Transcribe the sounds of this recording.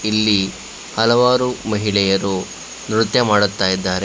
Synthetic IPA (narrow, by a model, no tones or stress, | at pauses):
ilːi | hɐlɐʋaːɾumɐɦiɭɛjɐɾu | nɾut̪jɐmaːɽut̪ːaːjid̪ːaːɾe